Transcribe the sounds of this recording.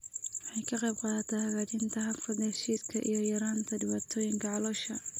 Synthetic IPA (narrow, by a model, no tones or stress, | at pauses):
wɑħɑjkʰɐqɑjb̚qɑːðɐt̪ʰɛhɐɣaːt͡ʃɪnt̪ʰɐɦɐfɐd̪hɛʃiːskʰɐʔḭjɞjɐɾaːnt̪ʰɐdɪβaːt̪ʰɔːjɪŋkʰɐʕɑlɔʃɐ